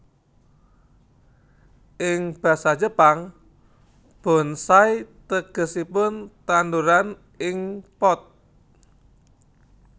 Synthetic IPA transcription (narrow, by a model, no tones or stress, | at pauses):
ʔɪŋb̥a̤sḁd͡ʒəpaŋ | b̥ɔ̤nsajt̪əɡ̥ə̤sipʊnt̪and̪uɾan | ɪŋpɔt̪̚